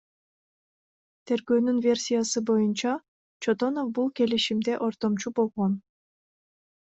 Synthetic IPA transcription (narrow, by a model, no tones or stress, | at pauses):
t̪ʰe̞ɾɡøːnynvʲe̞rsʲijasɯbo̞junt͡ʃɑ | t͡ʃʰot̪o̞no̞fbulˠke̞liʃimd̪eʔo̞ɾt̪o̞mt͡ʃubo̞lˠʁon